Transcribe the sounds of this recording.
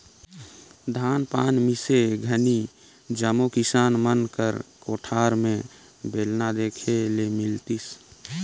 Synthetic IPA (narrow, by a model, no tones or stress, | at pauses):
d̪ʱaːnpaːnmɪseɡʱəni | d͡ʒəmokɪsaːnmənkəɾkoːʈʰaːɾmẽ | beːlnad̪eːkʰelemɪlt̪is